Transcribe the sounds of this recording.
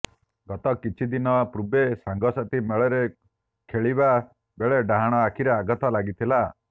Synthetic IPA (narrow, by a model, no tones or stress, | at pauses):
ɡɔt̪ɔkit͡ʃʰid̪inɔpɾubesaŋɡɔsat̪imeɭeɾe | kʰeɭiba | beɭeɖaɦaɽ̃ɔakʰiɾeaɡɔt̪ɔlaɡit̪ʰila